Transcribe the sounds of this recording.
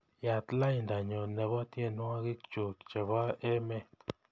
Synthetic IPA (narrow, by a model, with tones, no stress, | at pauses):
ja˨tla˦i˨nda˨ɲɔ˨nɛ˨βɔ˦tje˦˨nwa˦ɡɪ˦kt͡ʃo˨kt͡ʃɛ˨βa˦ɛ˦mɛ˦